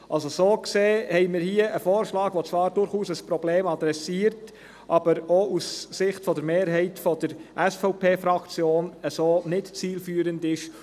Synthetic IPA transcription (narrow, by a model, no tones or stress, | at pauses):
ʔɑlsosoːkseːhɛɪmɪːɾhiəʔəfoːɾʃlɑːɡ̥ʋot͡svɑːɾdʊɾχuːsəspɾɔbleːmɑd̪ɾɛsiːəɾt | ʔɑb̥əɾousːɪχtfɔdəɾmeːɾɦɛɪtfɔd̥əɾʔɛsfɔʊpʰeːfɾɑkt͡sjoːnəsoːnɪtt͡siːlfyːəɾəndɪʃ